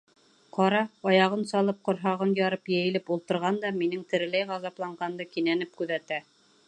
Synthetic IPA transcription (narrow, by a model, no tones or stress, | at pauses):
qɑɾɑɑjɑʁɤnsɑlˠɤp̚qŏɾɦɑʁɤnjɑɾɤpjæ̆jɘ̆lɘpulˠt̪ɤ̆ɾʁɑnd̪ɑminɘŋt̪ɘ̆ɾɘ̆læjʁɑzɑplˠɑɴʁɑnd̪ɤkinænɘp̚kʉðæt̪æ